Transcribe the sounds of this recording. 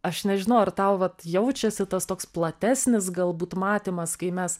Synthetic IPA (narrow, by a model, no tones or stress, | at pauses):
ɐʃnʲɛʒʲɪnɐʊɐrt̪ɐʊʋɐt̪jɛʊt͡ʃʲɛsʲɪt̪ɐst̪oːksplˠɐt̪ʲæːsʲnʲɪs̬ɡɐlˠbuːt̪mɑːt̪ʲimɐskɐɪmʲɛs